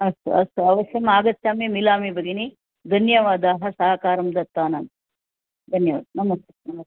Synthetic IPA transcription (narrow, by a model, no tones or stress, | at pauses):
ɐst̪ɐst̪uɐʋɐsjɐmaːɡɐt̪t͡ʃaːmimilaːmibɐɡini | d̪ʱɐnjɐʋaːd̪aːɦɐsɐɦɐkaːɾɐmd̪ɐt̪ːaːnɐn | d̪ʱɐnjɐʋa̰ːd̪ɐnɐmɐst̪e̥nɐmɐt̪e